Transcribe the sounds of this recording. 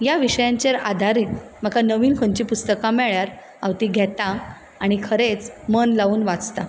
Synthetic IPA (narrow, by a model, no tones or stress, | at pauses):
jaʋiɕəjãɲt͡ɕeɾa̰d̪ʱaɾiːt̪m̤əkanəʋiːnkʰoɲt͡ɕiːpust̪əkamɛɭjaɾ | aʋt̪iːɡʱɛt̪a | aɽ̃ikʰəɾet͡smənlauːnʋat͡st̪a